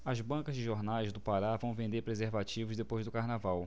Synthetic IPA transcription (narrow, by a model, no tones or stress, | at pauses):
ɐzbɐ̃kɐzd͡ʒɪʒoɾnajzd̪ʊpaɾavɐ̃w̃vẽnd̪eɾpɾezeɾvat͡ʃivʊzd̪epojzd̪ʊkaɾnavaw